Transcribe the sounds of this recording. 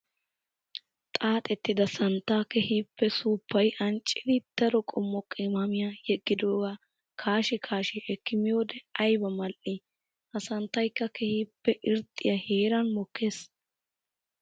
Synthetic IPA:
t̪ʼaːt̪ʼɛt̪ːɪd̪ɐsɐnt̪ːaːkɛhiːpːɛsuːpːɐjʔɐnt͡ʃʼːɪd̪ɪd̪̥ɐɾɔkʼɔmːɔkʼɪmɐmɪjajɛɡːɪd̪oːɡa | kʰaːʃɪkʰaːʃɪʔɛkːɪmɪjoːd̪ɛɐjbɐmɐlʔi | hɐsɐnt̪ːɐjkːɐkɛhiːpːɛʔɪɾt̪ʼːɪjɐheːɾɐnmɔkʰːe̞ːs

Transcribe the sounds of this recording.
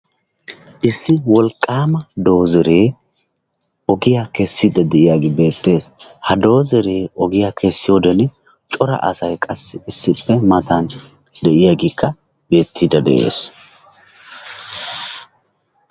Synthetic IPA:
ʔɪsːɪwɔlkʼːaːmɐd̪o̞ːzɛɾe̞ː | ʔɔɡɪjakɛsːid̪ɐd̪ɛʔɪjaːɡɪbe̞ːt̪ːe̞ːshɐd̪o̞ːzɛɾe̞ːʔɔɡɪjaːkʰɛsːɪjoːd̪ɛn | t͡ʃʼɔɾɐ̰ʔɐ̰sɐjkʼɐsːɪɪsːɪpːɛmɐt̪ɐn | d̪ɛʔɪjaːɡɪkːɐ | be̞ːt̪ːid̪ɐd̪ɛ̰ʔe̞̰ːs

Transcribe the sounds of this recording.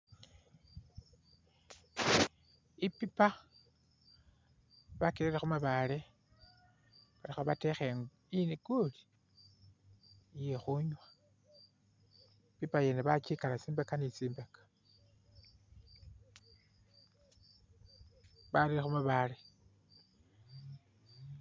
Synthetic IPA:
ipipa | βakeɾeɾexumaβale̞ | βalixoβate̞xeŋ | iniɡoli̥ | jexuɲwa | pipajeneβat͡ʃikalat͡siːmbekanit͡siːmbekḁ | βaɾiɾexumaβale̞

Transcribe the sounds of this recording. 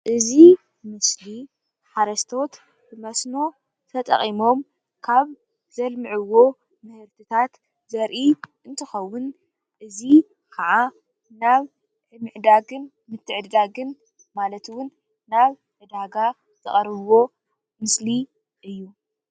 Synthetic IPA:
ʔɨzi | mɨsli | ħaɾɐst̪ʰo̞t̪ | bɨmɐsno̞ | t̪ʰɐt̪ʼɐ̰χʼimo̞m | kʰaβ | z̥ɐlmɨʕɨwːo̞ | mɨhɨɾt̪ʰɨt̪ʰat̪ | zɐɾʔiʔɨnt̪ʰɨxɐwːʊn | ʔɨzi | kʰɐʕa | naβ | ʕɨmɨʕd̪aɡɨn | mɨt̪ʰːɨʕɨd̪d̪aɡɨn | malɐt̪ɨwʊnː | aβ | ʕɨd̪aɡa | ɨt̪ɐ̰χʼɐɾβwo̞ | mɨsli | ʔɨjːu

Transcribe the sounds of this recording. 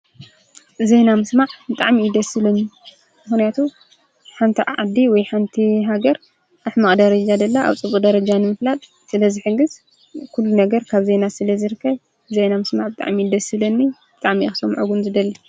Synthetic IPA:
zenamɨsmaʕbɨt̪ʼaʕmiɪd̪ɐsɨlɐnːi | mɨxnijat̪ʰu | ħant̪ʰiʕad̪iwɔjħant̪ʰiɦaɡɐɾ | ʔaħmɐχʼd̪ɐɾɐd͡ʒad̪ɐlːaʔa̰βt͡sʼɨβukʼd̪ɐɾɐd͡ʒanɨmɨflat̪ʼ | sɨlɐzɨħɨɡːɨz | kʰulːunɐɡɐɾkʰaβze̞nasɨlɐzɨɾɨkʰːɐβ | zejnamɨsmaʕbɨt̪ʼa̰ʕmid̪ɐsɨlɐnːib̥ɨt̪ʼaʕmixɨ̥sɐmʕoɡunzɨd̪ɐlːi

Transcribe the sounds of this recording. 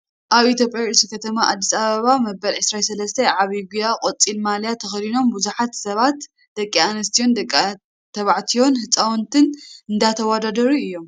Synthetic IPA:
ʔaβʔit̪ʰjo̞pʼjasikʰɐt̪ʰɐmaʔad̪ːisaβɐβamɐbɐlʕɨsɾasɐlɐst̪ʰɐʕaβiɡujakʼot͡sʼːilmaljat̪ʰɐxlino̞mbuzuħat̪sɐβat̪ | d̪̥ɐkʼːianɐst̪ʰijo̞nd̪ɐkʼ | t̪ʰɐβaʕt̪ʰijo̞nhɨt͡sʼawɔnt̪ʰɨnɨnd̪at̪ʰɐwad̪ad̪ɐɾuɨjːo̞m

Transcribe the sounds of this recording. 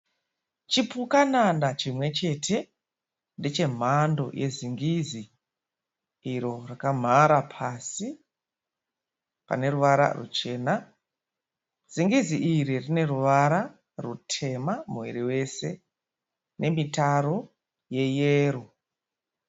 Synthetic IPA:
t͡ʃipukanandat͡ʃimwe̞t͡ʃe̞tʰe̞ | ndet͡ʃe̞m̤ando̞̰jʔe̞ziŋɡizi | ɾo̞rakam̤aɾapʰasi | pa̰ne̞ruʋaɾa̰rṵt͡ʃe̞ːna | z̥iŋɡiziʔiɾirine̞ruʋaɾa | rutʰe̞mamuwiɾiwe̞se̞̰ | nʔe̞mitaɾo | je̞jeːru

